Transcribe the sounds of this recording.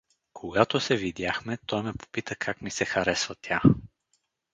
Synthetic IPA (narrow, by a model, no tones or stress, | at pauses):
kʰoɡat̪osɛvid̪jaxmɛt̪ɔjmɛpo̥pit̪əkʰakmisɛxɐɾɛsvət̪ʰʲja